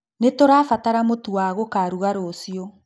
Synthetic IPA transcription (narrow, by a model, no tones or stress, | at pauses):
netoɾaːfataɾamotuwaɣokaːɾuɣaɾosiɔ